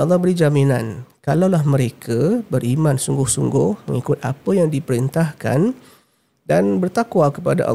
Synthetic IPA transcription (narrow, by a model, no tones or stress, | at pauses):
ɑlˠːɑhbəɾid͡ʒaminankalawlahmə̃ɾekʰabərimãnsuŋɡʊhsuŋɡʊhmə̰ŋikʊt̪a̰pəjaŋdipəɾint̪ahka̰n | danbərt̪akwakəpada̰ʔɑ̰